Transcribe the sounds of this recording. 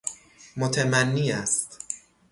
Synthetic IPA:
mot̪ʰemænːiːæst̪

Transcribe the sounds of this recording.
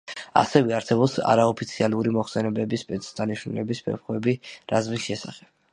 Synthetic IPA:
a̰sɛvɛaɾsɛbɔpsa̰ɾaɔpʰit̪sʰialˠuɾimɔχsɛnɛbɛbispʼɛt̪sʰd̪aniʃnulɛbisbʰɛ̰pχwɛbiɾazmisʃɛsaχɛb̥

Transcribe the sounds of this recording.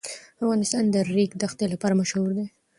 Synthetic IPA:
afɣɑnɪst̪ɑnd̪əɾikd̪axt̪elapɑɾamaʃhuɾd̪e

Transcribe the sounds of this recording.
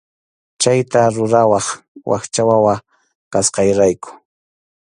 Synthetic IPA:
t͡ʃajt̪aɾʊɾawɑχwɑ̰χt͡ʃawawa | kasqɑjɾajkʊ̥

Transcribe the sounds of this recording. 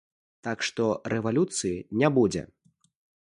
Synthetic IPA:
t̪akʂt̪ɔɾɛvalʲut̪sɨjinʲabud͡zʲɛ̰

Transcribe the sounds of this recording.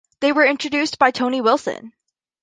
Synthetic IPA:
ðeɪwə˞ɪ̃nt͡ʃɹ̥ɨdʉsb̥aɪtʰõʊ̃niwɪlˠsɨ̰̃n

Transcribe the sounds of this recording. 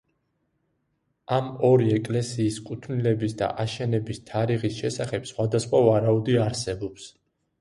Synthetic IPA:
amɔɾiɛkʼlɛsiːskʼut̪ʰnilɛbisd̪a̰ʔaʃɛnɛbist̪ʰaɾiʁisʃɛsaχɛb̥sχwad̪asχwavaɾaud̪iaɾsɛbɔps

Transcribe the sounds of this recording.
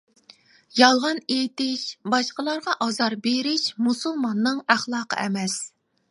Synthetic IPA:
jɑlˠʁɑnet̪ɪʃbɑʃqəlˠɑɾʁɑʔɑzɑɾbeɾɪʃmusulˠmɑnːɨŋæχlˠɑːqʰə̰ʔɛmɛs

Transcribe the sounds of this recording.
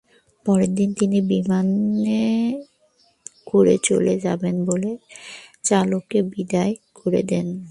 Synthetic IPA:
pɔɾeɾd̪int̪inibimane | koɾet͡ɕo̰led͡ʑabenbolet͡ɕalokebid̪aekoɾḛd̪ɛn

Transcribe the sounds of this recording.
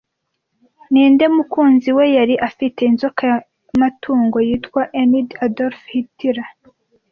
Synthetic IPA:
niːnde̞mukuːnziwe̞jaɾiʔafite̞inzoka | matʰuːŋɡo̞jiːtkwaʔenidadoɾfhitiɾa

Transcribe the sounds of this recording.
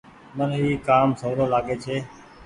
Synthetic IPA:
məniːkaːmsəːɾoːlaːɠeːt͡ʃʰeː

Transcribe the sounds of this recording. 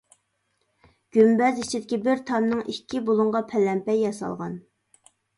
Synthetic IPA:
ɡ̥ʲymbɛzit͡ʃʰid̪ɪkʲibɪɾt̪ʰɑnnɨŋʔikʲʰːibolˠuŋʁɑpʰɛlɛmpɛjːɑsɑ̰lˠʁɑ̰n

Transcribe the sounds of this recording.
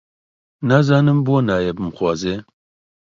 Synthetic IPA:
nazɑːnɨmboːnaːjebɨmxwɑːzeː

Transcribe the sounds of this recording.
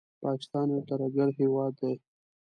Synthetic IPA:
pɑkɪ̥st̪ɑnat̪aɾaɡaɾɦewɑd̪ːaj

